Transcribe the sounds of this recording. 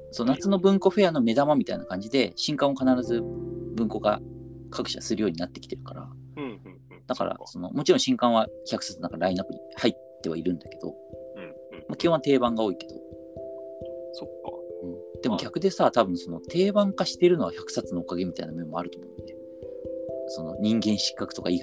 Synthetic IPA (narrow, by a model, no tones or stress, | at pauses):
so̞ːnat͡sɨnobɯ̟̃ŋko̞ɸe̞ano̞me̞d̪amamʲit̪aḭnakãɲ̟d͡ʑid̪e̞ɕĩŋkãakanaɾazɨbɯ̟̃ŋko̞ɡa̰kʰakɯ̟̥ɕa̰sɨɾɯjo̞ːɲ̟inat̪ːe̞kʲi̥t̪e̞ɾɯ̟̥kaɾa̰ | d̪̥aka̰ɾa̰so̞no̞̰mo̞t͡ɕiɾõɕĩŋkãɰ̃βakʲçakɯ̥sat͡sɨnãŋkaɾainakoɲ̟ḭhait̪ːe̞βa̰iɾɯ̟̃nd̪ake̞d̪o̞̰ | makʲoãt̪e̞ːbãŋɡao̞ːike̞d̪̥o̞ | sokːɯ̟̃ɴd̪̥e̞moɡʲakɯ̟d̪e̞sat̪abɯ̟̃ɰ̃so̞no̞t̪ʰe̞ːbãŋkaɕi̥t̪e̞ɾɯ̟no̞açakɯ̟̥sat͡sɨno̞ːkaɡe̞mʲit̪ainamẽmo̞aɾɯ̟t̪omo̞ɯ̟nd̪e | so̞no̞̰ɲ̟ĩŋɡẽ̞ɰ̃ɕi̥kːakɯ̟̥t̪o̞kaiːk